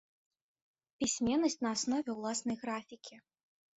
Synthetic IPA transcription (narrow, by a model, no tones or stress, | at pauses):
pʲisʲmʲɛnːɐsʲt͡sʲnɐːsnɔvʲɛwlˠasnɐjɣɾafʲikʲʰi